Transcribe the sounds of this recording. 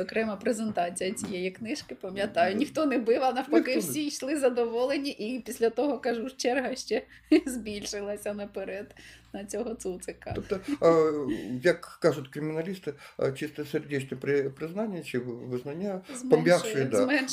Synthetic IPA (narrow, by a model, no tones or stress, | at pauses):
zɔkɾɛmɐpɾezent̪ɑt͡sʲijɐt͡sʲijejiknɪʃkɪpɐmʲjɐt̪ɑjʊnʲixt̪ɔnɛbɪʋɐnɐwɔkɪwsʲiʃlˠɪzɐd̪ɔʋɔlˠenʲiʔipʲisʲlʲɐt̪ɔɦɔkɐʒuʃt͡ʃɛrɦɐʃt͡ʃɛzʲbʲilʲʃɪlˠɐsʲɐnɐpeɾɛd̪nɐt͡sʲɔɦɔt̪sut̪sɪkɐ̰okt̪ə | jɐkːaʐʊt̪ʲkɾʲɪmʲɪnɐlʲist̪ɨ̰t͡ɕist̪əsʲerdʲet͡ɕnəpɾʲɪpɾʲɪznanʲɪjət͡ʃiʋɨznɐnʲazzmpɐmʲjʲafʃɨjd̪amɛn